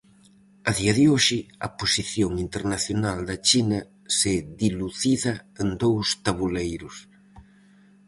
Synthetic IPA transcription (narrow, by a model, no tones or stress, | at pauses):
aðiɐðɪoʃɪɐposiθjoŋint̪eɾnaθjonald̪ɐt͡ʃinɐ | sɪðiluθiðɐend̪owst̪aβulejɾʊs